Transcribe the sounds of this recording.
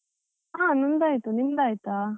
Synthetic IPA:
ãnind̪ajt̪unind̪ajt̪a

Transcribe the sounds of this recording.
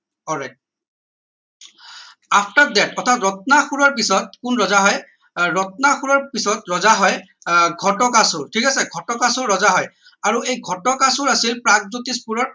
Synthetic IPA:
ɔlɹajt̚ | apʰtadɛtɔtʰatɹɔtnaxuɹɔɹpisɔt̚kunɹɔzaɦɔj | ɹɔt̚naxuɹɔɹpisɔtɹɔzaɦɔj | ɡʱɔtɔkasʊɹtʰikasɛɡʱɔtɔkasʊɹːɔzaɦɔj | aɹuejɡʱɔtɔkasuɹasilpɹaɡ̚zutispuɹɔɹ

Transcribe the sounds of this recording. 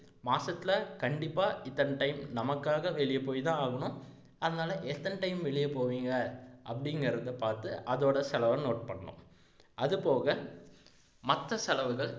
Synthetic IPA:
maːsɐt̪ːɪlɐkɐɳɖɪpːaːɪt̪ːɐnʈɐɪmnɐmɐkːaːɣɐʋɛɭɪjɐpːoːjt̪ãːaːɣɐɳʊ̃ | ʔɐðɐnaːlɐʔɛt̪ːɐnʈɐɪmʋɛɭɪjɐpoːʋiːŋɡɐʔɐpːɐɽɪŋɡɐɾɐðɐpaːɾt̪ɯʔɐðoːɽɐsɛlɐʋɐ̃noːʈ̚pɐɳːɐɳʊ̰̃ | ʔɐðɯpoːɣɐ | mɐt̪ːɐsɛlɐʋɯɣɐɭ

